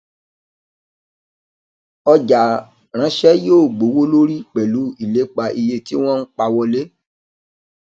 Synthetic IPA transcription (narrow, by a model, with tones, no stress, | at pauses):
ɔ˧d͡ʒa˨ | ɾ̃ã˨˦ʃɛ˦joː˦˨ɡ͡bo˨˦wo˦lo˦ɾi˦k͡pɛ˨lu˨˦i˦˨le˨˦k͡pa˧ʔi˧je˧ti˦w̃ɔ̃˦ñ̩˦k͡pa˧wɔ˧le˦